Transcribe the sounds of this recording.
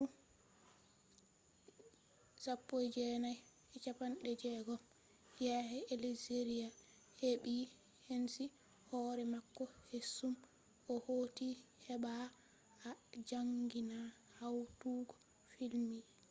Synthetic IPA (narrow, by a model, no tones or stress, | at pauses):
u | sapːojd͡ʒɛnaj | ɛt͡ʃapanɗɛd͡ʒɛɡɔ | jɛhɛelizeɾia | heɓi | hensi | hɔːɾɛmakːɔhesːum | ʔɔhoːtihɛɓa | ad͡ʒaŋɡina | hawtuːɡɔ̥ | filmi